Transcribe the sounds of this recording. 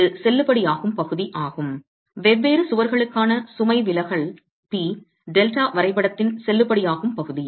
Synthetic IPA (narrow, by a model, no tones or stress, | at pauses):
ɯsɛlːɯpːɐɽijaːɣɯmpɐɣɯðiʔaːɣɯm | ʋɛʋːeːɾɯsʊʋɐɾɣɐɭɯkːaːnɐsʊmɐɪʋɪlɐɣɐɭ | piː | ɖɛlʈaːʋɐɾɐɪpːɐɽɐt̪ːɪnsɛlːɯpːɐɽɪjaːɣɯmpɐɣɯði